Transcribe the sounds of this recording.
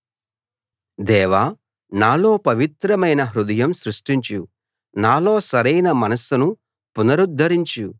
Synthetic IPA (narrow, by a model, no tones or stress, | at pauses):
d̪ɛːʋaː | naːlo̞ːpɐʋit̪ɾɐmɐjnɐɦɾud̪ɐjɐmsɾuʂʈiɲt͡ʃu | naːlo̞ːsɐɾɐjnɐmɐnɐsunu | punɐɾud̪ʱːɐɾiɲt͡ʃu